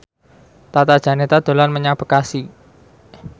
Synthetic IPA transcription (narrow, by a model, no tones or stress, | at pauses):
t̪at̪ad̥ʒ̥a̤net̪ad̪̥o̤lanməɲab̥əkasi